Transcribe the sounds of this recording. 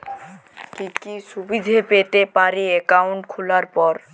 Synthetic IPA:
kikiʃubid̪ʱepet̪epaɾeekawɳʈkʰulaɾpɔɾ

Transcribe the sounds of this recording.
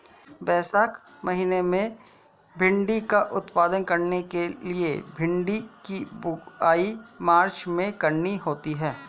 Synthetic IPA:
bɛːsaːk | mɐɦiːnemẽ | bʱɪ̃ɳɖikaʔʊt̪paːd̪ənkɐɾnekeliebʱɪ̃ɳɖikibʊaːimaːɾt͡ʃmẽkɐɾniɦoːt̪iɦɛː

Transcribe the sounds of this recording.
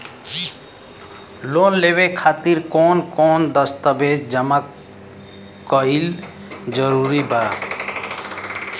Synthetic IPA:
loːnleːʋekʰaːt̪iɾkoːnkoːnd̪əst̪əbeːd͡ʒd͡ʒəmak | ɔil | d͡ʒəɾuːɾibaː

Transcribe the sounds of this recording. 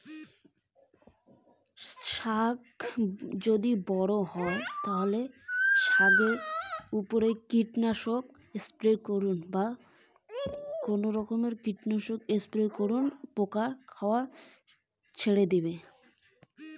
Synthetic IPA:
ʃak | d͡ʑod̪ibɔɽoɦɔet̪aɦoleʃaɡeupoɾekiʈnaʃok̚ | espɾekoɾunba | konoɾɔkomeɾkiʈnaʃokespɾekoɾunpokaɾkʰaoaɾ | t͡ɕʰeɽed̪ibe

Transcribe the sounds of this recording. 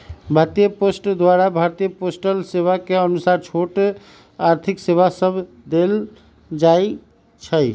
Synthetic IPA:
bʱaɾt̪ijəposʈd̪waɾabʱaɾt̪ijəposʈəlseβakeənusaɾt͡ʃʰoʈ | aɾt̪ʰikseβasəb | d̪el | d͡ʒai | t͡ʃʰəj

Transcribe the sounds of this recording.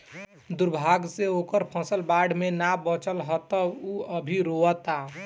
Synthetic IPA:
d̪ʊɾbʱaɡseoːkəɾpʰə̃səlbaɖmenabət͡ʃəlɦət̪əuəbʱiɾoət̪a

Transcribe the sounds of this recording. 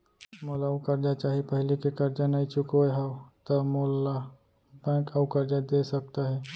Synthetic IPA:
molaukɐɾd͡ʒat͡ʃaɦipəɦɪlikekɐɾd͡ʒanait͡ʃʊkɦawt̪əmola | bɛ̃kaukɐɾd͡ʒad̪esɐk̚t̪aɦɛː

